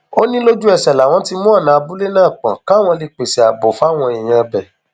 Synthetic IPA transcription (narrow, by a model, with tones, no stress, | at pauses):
o˦nĩ˦lo˦d͡ʒu˦ɛ˦˨sɛ˨la˨w̃ɔ̃˧ti˧mũ˦a˦˨nãː˨˧bu˦le˦nãː˦˨k͡pã˨ka˨˦w̃ɔ̃˧le˧k͡pe˨si˨a˨bo˨fa˦˨w̃ɔ̃˧i˨j̃ã˧bɛ˨